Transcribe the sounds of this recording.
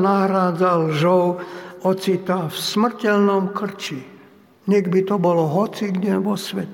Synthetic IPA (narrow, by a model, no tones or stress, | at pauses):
naɦɾaːd͡zalʒɔwɔt͡sit̪afsmr̩cɛlnɔmkr̩t͡ʃi | ɲɛɡbit̪ɔbɔlɔɦɔt͡siɡdɛʋɔsʋɛt̪ɛ